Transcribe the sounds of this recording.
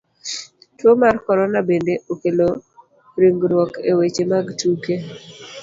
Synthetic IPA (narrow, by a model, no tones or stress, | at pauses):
twomarkɔɾɔnabendeʔokelo | ɾiŋɡɾwɔkewet͡ʃemaɡtuke